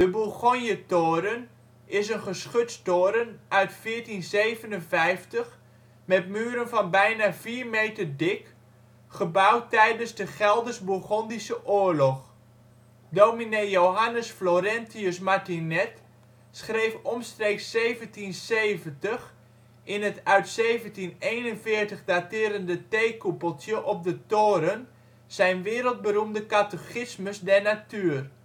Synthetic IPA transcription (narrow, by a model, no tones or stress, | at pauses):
d̥əbulˠχonjətoːɾən | ɪsənχəsχøtstoːɾənʔœɥtfɪətinsejvənənvɛjftəx | mɛt̚myːəɾənfɔnbɛjnafiːrmeːtərdɪk | χəbawtɛjdənzdəχɛlˠdərsbulˠχɔndisəʔoːəɹlɔx | doːminejjowɦanəsfloɾɛntiʊsmaɹtinɛt | sχrejfɔmstreːksːejvəntinseːvəntəx | ʔɪnɦətœɥtsejvəntinejnənfɪːɹtəχdatɪːɾəndətejkupəlˠtjəʔɔp̚dətoːɾən | z̥ɛjnʋɪːɾəlˠd̚bəɾumdəkatəxɪsməsdɛɹnatyːər